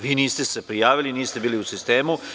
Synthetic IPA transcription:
ʋiːniːst̪esepɾijaːʋiliniːst̪ebiːliusist̪eːmu

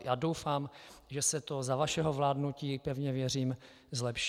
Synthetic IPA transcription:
jaːdowfaːmʒɛsɛt̪o̞zavaʃɛɦo̞vlaːdnuciːpɛvɲɛvjɛr̝iːm | zlɛpʃ

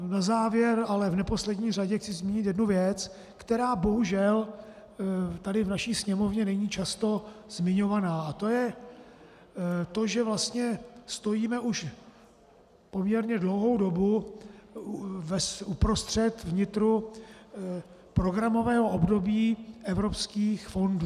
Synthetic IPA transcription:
nazaːvjɛɾalɛvnɛpo̞slɛdɲiːr̝aɟɛxt͡sɪzmiːɲɪt̪jɛdnuvjɛt͡s | kt̪ɛɾaːbo̞ɦuʒɛl | t̪adɪvnaʃiːsɲɛmo̞vɲɛnɛɲiːt͡ʃast̪o̞zmɪɲo̞vanaːat̪o̞jɛ | t̪o̞ʒɛvlast̪ɲɛst̪o̞jiːmɛʔuʃ | po̞mɲɛɾɲɛdlo̞wɦo̞wdo̞bu | vɛsupɾo̞st̪r̝̥ɛt̪vɲɪt̪ɾu | pɾo̞ɡɾamo̞vɛːɦo̞ʔobdo̞biːʔɛvɾo̞pskiːxfo̞nd

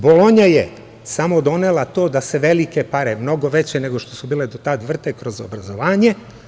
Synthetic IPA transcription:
bo̞lo̞ɲaje | samo̞d̪o̞nelat̪o̞ːd̪ase̞ʋe̞likepaɾemno̞ɡo̞ʋet͡ɕeneɡo̞ʃt̪o̞subiːled̪ot̪at̪ʋr̩t̪ekɾo̞zo̰bɾazoʋaːɲe̞

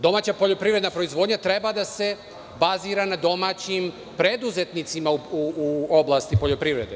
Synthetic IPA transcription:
d̪o̞maːt͡ɕapo̞ʎo̞pɾiʋɾe̞d̪napɾoizʋo̞ːd̪ɲat̪ɾe̞bad̪ase̞ | baziːɾanad̪o̞maːt͡ɕim | pɾe̞d̪uze̞t̪nit̪simauuo̞blˠast̪ipoʎo̞pɾiʋɾe̞̰d̪e

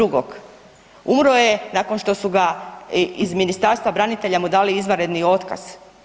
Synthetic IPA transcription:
uɡoɡ | umɾoje̞nako̞nʃt̪o̞suɡa | izminist̪aɾst̪ʋabɾanit̪e̞ʎamud̪aːliizʋaɾe̞d̪nio̞t̪ka̰z̥

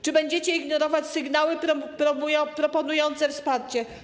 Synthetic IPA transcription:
t͡ʂɘbɛɲd͡ʑɛt͡ɕɛiɡnɔɾɔvat͡ɕsɘɡnawɘɾpɾɔmujpɾɔpɔnujɔnt̪sɛfspaɾt͡ɕɛ

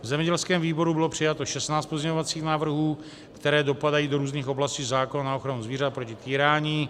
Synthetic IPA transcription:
vzɛmɲɛɟɛlskɛːmviːbo̞ɾubɪlo̞pr̥ɪjat̪o̞ʃɛsnaːt͡st̪po̞zɲɛɲovat͡siːxnaːvr̩ɦuː | kt̪ɛɾɛːdo̞padajiːdo̞ɾuːzniːxo̞blasciːzaːkonanaoxɾanuzviːɾat̪̚pɾo̞cɪt̪iːɾaːɲiː

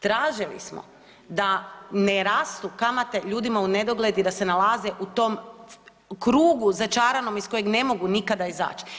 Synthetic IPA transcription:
t̪ɾaːʒilḭsmo̰ | d̪aneɾast̪ukamat̪e̞ʎuːd̪imaune̞d̪o̞ɡled̪id̪ase̞nalaːzeʔut̪o̞m | kɾuːɡuzat͡ʃaːɾano̞misko̞je̞ɡne̞mo̞ɡunikad̪aiza̰ːt͡ʃi̥

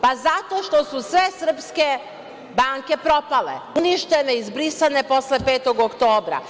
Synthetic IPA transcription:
pazat̪o̞ʃt̪o̞susʋe̞sr̩pske̞ | baŋke̞pɾo̞pale̞̰uniʃt̪e̞ne̞izbɾisane̞po̞sle̞peːt̪o̞ɡokt̪o̞ːbɾa̰

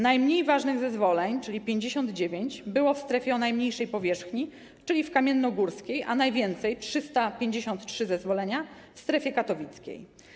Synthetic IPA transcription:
najmɲejvaʐnɘɣzɛzvɔlɛɲt͡ʂɘlʲipʲjeɲd͡ʑeɕɔnd̪d͡ʑevʲjeɲd͡ʑbɘwɔfst̪ɾɛfʲjɛɔnajmɲejʂɛjpɔvʲjɛʂxɲi | t͡ʂɘlʲifkamʲjɛnːɔɡuɾskʲejʔa̰najvʲjɛnt̪sɛjtʂɘst̪apʲjeɲd͡ʑeɕɔnt̪tʂɘzɛzvɔlɛɲa | fst̪ɾɛfʲɛkat̪ɔvʲit̪skʲḛj

